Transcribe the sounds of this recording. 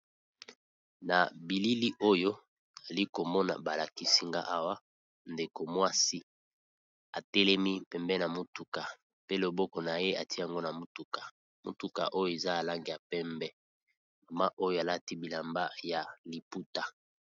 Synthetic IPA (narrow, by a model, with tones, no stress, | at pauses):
na˨bi˨li˦li˦ʔo˦jo˦ | a˨li˦ko˨mɔ˦na̰˨ba˨la˨ki˦si˦ŋɡa̰˦ʔa˦wa˦ | nde˨ko˨mwa˦si˦ | a˨tɛ˦lɛ˦mi˦pɛ˨mbɛ˦na˨mo˦tu˨ka˨ | pe˦lo˨bɔ˦kɔ˨na˨je˦a˨ti˦ja˨ŋɡo˦na˨mo˨tu˨kḁ˨ | mo˨tu˦ka̰˨ʔo˦jo˨e˨za˦a˨la˦ŋɡi˨ja˨pɛ˦mbɛ˦ | ma˨ma˦ʔo˦jo˦a˨la˦ti˦bi˨la˨mba˦ja˨li˨pu˦ta˨